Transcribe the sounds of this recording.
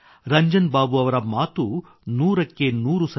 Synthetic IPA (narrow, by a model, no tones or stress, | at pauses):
ɾɐɲd͡ʒɐnbaːbuɐʋɐɾɐmaːt̪u | nuːɾɐkːe̞nuːɾusɐ